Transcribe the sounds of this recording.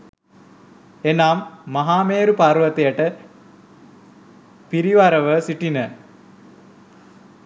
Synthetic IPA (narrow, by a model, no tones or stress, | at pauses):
enaːmːaɦaːmeːɾupaɾʋət̪ejəʈə | piɾiʋaɾəʋəsiʈinə